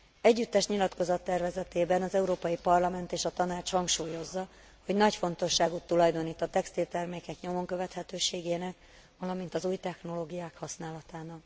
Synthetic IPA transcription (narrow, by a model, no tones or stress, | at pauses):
ɛɟːyt̪ːɛʃɲilɒt̪ko̞zɒt̪ːɛrvɛzɛt̪eːbɛnɒzɛuɾoːpɒjipɒrlɒmɛnt̪eːʃɒt̪ɒnaːt͡ʃhɒŋkʃuːjo̞zːɒ | ho̞ɟnɒcfo̞n̪t̪o̞ʃːaːɡut̪ːulɒjd̪o̞niːt̪ːɒt̪ɛkst̪ilt̪ɛrmeːkɛkɲo̞mo̞ŋkøvɛt̪hɛt̪øːʃeːɡeːnɛk | vɒlɒmint̪ɒzuːjt̪ɛxno̞loːɡijaːkhɒsnaːlɒt̪aːnɒk